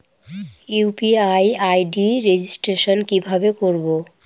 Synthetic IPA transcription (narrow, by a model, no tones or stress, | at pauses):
upiajajɖiɾed͡ʑisʈɾeʃonkibʱabekoɾbo